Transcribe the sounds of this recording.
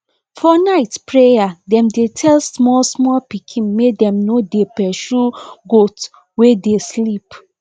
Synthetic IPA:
fɔnaɪtpʰɹejadɛ̃mdetʰɛlsmɔlsmɔlpikʰĩnmedɛ̃mnodepɛʃuɡot | wedeslip

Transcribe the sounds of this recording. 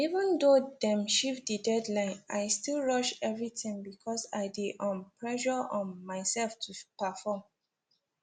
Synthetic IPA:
ivə̃ndodɛ̃mʃivdədɛdlãɪ̃naɪstilɹʌʃɛvɹitĩŋbikʰɔsaɪdeʔɔ̃npɹɛʃɔɔ̃nmaɪsɛlftʰupəfɔm

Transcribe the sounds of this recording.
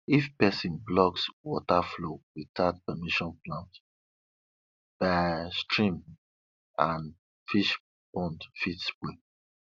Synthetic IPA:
ifpɛsĩnblɔkswɔtaflowitat̚pɛmiʃɔ̃nplãnt | b̥astʰɹĩm | ãn | fiʃ | b̥ɔ̃ndfitsbe

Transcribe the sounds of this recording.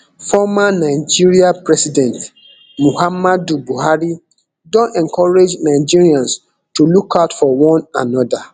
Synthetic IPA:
fɔmanaɪd͡ʒiɹiapɹɛsidɛ̃nt | muhamadubuhaɾi | dɔ̃nɛ̃ŋkʰɔɹed͡ʒnaɪd͡ʒiɹiãns | tulukʰaʊtfɔwɔ̃nanɔda

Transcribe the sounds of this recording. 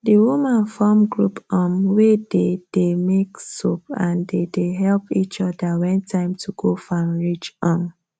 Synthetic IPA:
diwumãnfɔmɡɹupɔmweded̥emeksopãndedeɦɛlpit͡ʃɔdawɛ̃ntʰãɪ̃mtʰuɡofãmɹit͡ʃɔ̃m

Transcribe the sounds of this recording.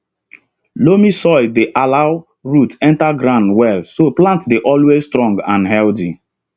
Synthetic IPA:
lomisɔɪdeʔalaʊ | ɹutɛ̃ntaɡɾãʊ̃ndwɛlsoplãntdeʔɔlwezstɹɔ̃ŋɡã̰nɦɛlti

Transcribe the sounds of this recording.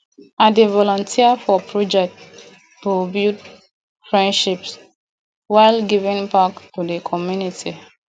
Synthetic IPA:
adevɔlɔ̃ntʰiəfɔpʰɹɔd͡ʒɛk̚t | tubut | fɹɛ̃ndʃips | waɪlɡivĩnpaktudəkʰɔmjuniti

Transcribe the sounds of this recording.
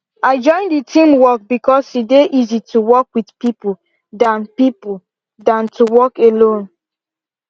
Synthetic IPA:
aɪd͡ʒɔ̃ɪ̃nditʰĩmwɔk̚bikɔsideʔizitʰuwɔkwidpipu | dãnpipu | dãntʰuwɔkelõn

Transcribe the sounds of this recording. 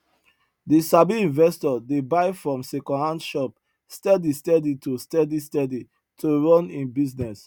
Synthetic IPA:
disabiĩnvɛstɔdebaɪfɹɔ̃msɛkɔ̃nhãndʃɔp̚ | stɛdistɛditostɛdistɛdi | tʰoɹɔ̃nĩnbiznɛs

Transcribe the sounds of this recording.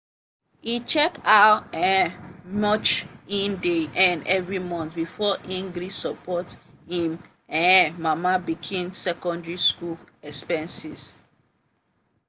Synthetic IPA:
it͡ʃɛkatɛmɔt͡ʃĩndeʔɛ̃nɛvɹimɔ̃ntbifɔʔĩŋɡɾisɔpʰɔthĩm | ɛ̃mamabikʰĩnsɛkɔ̃ndɹiskulɛkspɛ̃nsis

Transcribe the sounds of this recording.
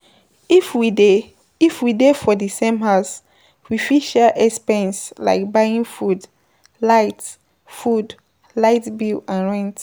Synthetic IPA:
ifwide | ifwidefɔdisẽmɦaʊs | wifiʃɛʔɛkspɛ̃nsla̰ɪk̚baĩŋfud | laɪt | fud | laɪtbiãnɹɛ̃nt

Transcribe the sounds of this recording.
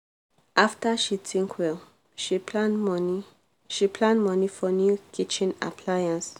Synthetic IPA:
ʔaftaʃitʰĩŋkʰwɛl | ʃipʰlãnmni | ʃipʰlãndmɔnifɔnjukʰit͡ʃĩna̰pʰlajãns

